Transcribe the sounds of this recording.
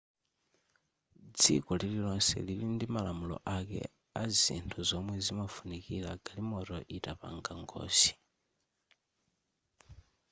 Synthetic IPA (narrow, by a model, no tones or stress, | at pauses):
d͡zḭkɔlililɔnsɛ̰lilindimalamulɔ̰ʔakɛ̰ | azḭntʰuzɔmwɛzimafunikilaɡalimɔtɔʔitapa̰ŋɡaŋɡɔ̰ːsi̥